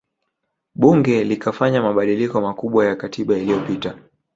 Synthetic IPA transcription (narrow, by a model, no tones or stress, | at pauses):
ɓuŋɡɛlikafaɲamaɓaɗilikɔmakuɓwajakatʰiɓailijɔpita